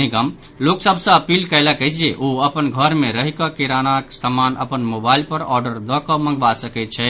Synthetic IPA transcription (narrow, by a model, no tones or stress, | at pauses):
nikəm | loːksəbsə̃əpiːlkəjlakəid͡ʒieʔoəpənɡʱəɾmẽɾəɦikakiɾaːnaksəmaːnə̰pənmoːbaːɪlpəɾɔːɾɖəɾd̪ɔkɔmə̃ŋɡʋasəkɛt͡ʃʰɛ